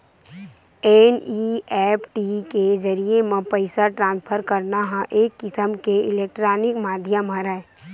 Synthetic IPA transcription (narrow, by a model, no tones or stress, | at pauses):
eniɛːpʰʈikezəɾiemẽpəɪsaʈɾãːnspʰəɾkəɾnaɦãʔeːkːɪsəmkeɪleːk̚ʈɾaːnɪkmaːd̪ʱjamə̃ɾɛ